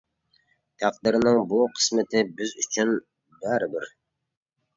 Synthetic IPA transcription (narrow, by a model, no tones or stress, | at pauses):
t̪ʰæqd̪ɨɾnɪŋbuqʰə̥smɪt̪ʰɪbɪzyt͡ʃʰyn | bæɾɪbɪɾ